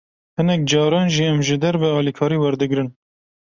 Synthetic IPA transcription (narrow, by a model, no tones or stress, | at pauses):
hɨnɛk̚d͡ʒɑːɾɑːnʒiːɛmʒɨd̪ɛɾbɛɑːlikʰɑːɾiːwɛɾd̪ɨɡɾɨn